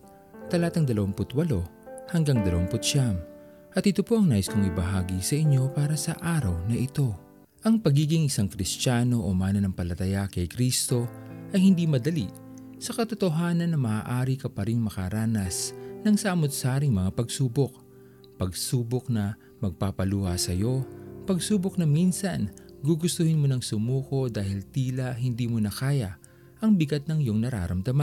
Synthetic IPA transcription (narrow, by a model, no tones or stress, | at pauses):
t̪ɐlaːt̪ɐŋd̪ɐlɐwaŋpʊt̪wɐlo̞ | hɐŋɡaŋd̪ɐlɐ̰waŋpʊt̪̚ʃam | ʔɐt̪ɪt̪opo̞ʔɐŋnaːjɪskoŋɪbɐɦaːɡisɐʔɪɲːo̞paːɾɐsɐ̰ʔaːɾɐwnɐʔɪt̪o̞ | ʔɐŋpɐɡiːɡɪŋʔɪsaŋkɾɪst͡ʃaːno̞ʔomaːnɐnɐŋpɐlɐt̪ɐjakɐjkɾist̪o̞ʔɐjhɪnd̪imɐd̪ɐliʔ | sɐkɐt̪ot̪oɦaːnɐnːɐmɐʔaːʔaːɾikɐpɐɾiŋmɐkaɾaːnɐsnɐŋsaːmʊt̪̚saːɾɪŋmɐŋapɐɡsuːbo̞k̚ | pɐɡsuːbok̚nɐ | mɐɡ̚papɐluːhɐsɐjo̞pɐɡsuːbok̚nɐminsɐnɡuɡʊst̪ʊhɪnmonɐŋsʊmuːko̞d̪aːhɪlt̪iːlɐɦɪnd̪iːmʊnɐkaːjɐ | ʔɐŋbɪɡat̪̚nɐŋjo̞ŋnɐɾa̰ːɾɐmd̪ɐman